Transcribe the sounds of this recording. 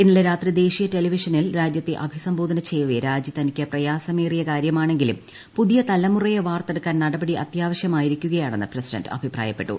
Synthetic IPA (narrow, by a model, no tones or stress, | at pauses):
inːileɾaːt̪rid̪e̞ːʂijɐte̞liʋiʂɐnilɾaːd͡ʑjɐt̪ːeʔɐbʱisɐmbo̞ːd̪ʱɐnɐt͡ɕejɐʋeɾaːd͡ʑit̪ɐnikʲːɐprɐjaːsɐmeːrijɐkaːɾjɐmaːɳe̞ŋɡilṵm | puðijɐt̪ɐlɐmurɐjeʋaːrt̪eɽukːaːnnɐɽɐbɐɽiʔɐt̪jaːʋɐɕjɐmaːjiɾikʲːuɣɐjaːɳenːɨprɐsiɖɐ̰ndɐ̰bʱipra̰ːjɐpːe̞ʈːṵ